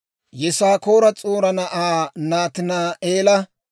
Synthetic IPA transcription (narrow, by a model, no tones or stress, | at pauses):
jɛsaːko̞ːɾɐt͡sʼoːɾɐnɐʔaːnaːt̪ɪnaeːlɐ